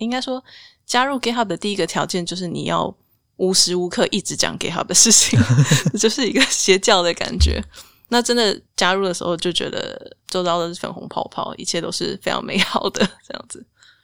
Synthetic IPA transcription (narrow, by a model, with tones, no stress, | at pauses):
i˥ŋka˥ɪʂwɔ˥ | t͡ɕja˥ɻu˥˩ke˥ɪxa˥˩p̚d̪ə˩t̪i˥˩i˧˥ɡə˨t̪ʰjɑ˧˥ʊt͡ɕjɛ˥˧˨nt͡ɕjo˥˧ʊʂ̬ɻ̩˥˩nḭ˨˩jɑ̰˥˩ʊ | u˧˥ʂɻ̩˧˥u˧˥kʰɤ˥˧ʔi˥˩ʈ͡ʂɻ̩˧˥t͡ɕjɑ̰˨˩ŋke˧˥ɪxa̰˥˩p̚d̪ə˩ʂɻ̩˥˩t͡ɕʰi˨˩ŋ˧t͡ɕjo˥˧ʊʂɻ̩˥˩i˧˥ɡə˨ɕjɛ˧˥t͡ɕjɑ˥˩ʊd̪ə˩ka̰˨˩nt͡ɕɥɛ̰˧˥˦ | na˥˨ʈ͡ʂə˦˥nd̪ə˨t͡ɕja˥ɻu˥˩lə˩ʂɻ̩̰˧˥xo˥˧ʊt͡ɕjo˥ʊt͡ɕɥɛ̰˧˥d̪ə̰˧t͡so˥˧ʊt̪ɑ˥˩ʊlə˩ə˥˩fə̰˨˩nxʊ̰˧˥ŋpʰɑ̰˥˧ʊpʰɑ̰˥˩ʊḭ˨˩t͡ɕʰjɛ˥˧t̪o˥ʊʂɻ̩˥˩fe˥ɪʈ͡ʂʰɑ̰˧˥ŋmʔḛ˧˥ɪxɑ˨˩ʊd̪ə˦ʈ͡ʂɤ˥˧jɑ̰˥˩ŋd͡zɹ̩˨˩